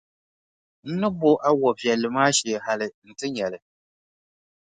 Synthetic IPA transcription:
n̩˦nɨ˦bʊ˦ʔa˦wɔ˨vi˨ɛ˨lːɨ˨maː˦ʃɛ˨ha˦lɪ˨n̩˨tɨ˦ɲɛ˨lɨ˨

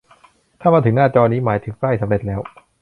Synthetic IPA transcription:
t̪ʰaː˥˩maː˧ɯ˩˦ŋnaː˥˩t͡ɕɔː˧niː˦˥maː˩˦jt̪ʰɯ˨˩˦ŋkɾa˥˩jsa˩˦mɾe˨˩t̪̚lɛː˦˥w

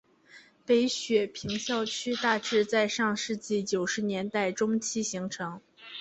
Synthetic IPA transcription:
pe˧˥ɪɕɥɛ˨˩pʰi˧˥ŋɕjɑ˥˧ʊt͡ɕʰy˥t̪a˥˧ʈ͡ʂɻ̩˥˧t͡sa˥˧ɪʂɑ˥˧ŋʂɻ̩˥˧t͡ɕi˥˩t͡ɕjo˨˩ʊʂɻ̩˧˥njɛ˧˥nt̪a˥˩ɪʈ͡ʂʊ˥ŋt͡ɕʰi˥ɕi˧˥ŋʈ͡ʂʰɤ˧˥ŋ

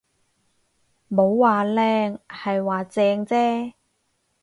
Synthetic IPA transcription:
mo˨˧wwaː˨lɛː˧ŋhɐ˨jwaː˨˩t͡sɛː˧ŋt͡sɛː˥

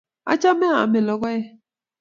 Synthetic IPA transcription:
a̰˦t͡ʃa˦me˦a̰˨me˨lɔ˨ɡɔ˦je˦

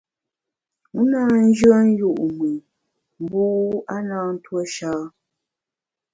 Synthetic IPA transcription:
u˦na˦n̩˦d͡ʒɰə˦n˦ju˦˨ʔmwi˨ | m̩˦bu˦a˦naː˦n̩˦twə˦ʃaː˦

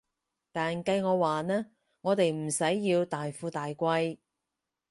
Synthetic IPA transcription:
t̪aː˨nkɐ˧jŋɔː˨˧waː˨nɛː˥ | ŋɔː˨˧t̪e˨jm̩˨˩sɐ˨˥jːiː˧wt̪aː˨jfuː˧t̪aː˨jkʷɐ˧j

